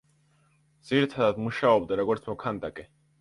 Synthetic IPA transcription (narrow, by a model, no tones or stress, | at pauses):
d̪z̥iɾit̪ʰad̪ad̪muʃaɔbd̪aɾɔɡɔɾt̪sʰmɔkʰand̪akʼɛ